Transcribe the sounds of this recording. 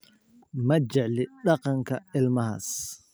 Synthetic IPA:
mɐt͡ʃɛʕlɪɖɑqɑŋkʰɐɪlmɐɦɐ̰ːs

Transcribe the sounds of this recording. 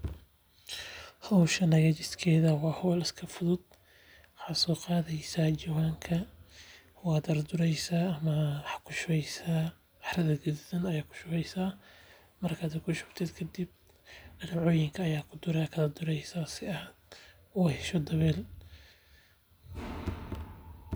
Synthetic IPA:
hɐwʃɐnɐɣɐt͡ʃɪskʰɛːðɐwɑːhɐwlɪskʰɐfʊðʊd̪̚ | wʊħaːsɔːqɑːðɛjsaːd͡ʒɐwaːŋkʰɐ | wɑːd̪ɐrd̪ʊɾɛjsɐɐmɐħkʰʊʃɛjsa | ɑħrɐðɐɡɪdɪðɐnɐjaːkʰʊ̥ʃʊβɛjsaː | mɐrkʰɐːd̪ɛkʰʊʃʊbt̪ʰɛd̪kʰɐd̪ib̚ | ɐlʕɔːjɪŋkʰɐːjaːkʰʊd̪ʊɾɛkʰɐðɐd̪ʊɾɛjsaːsɪɐh | uːhɛʃɔd̪ɐβɛːl

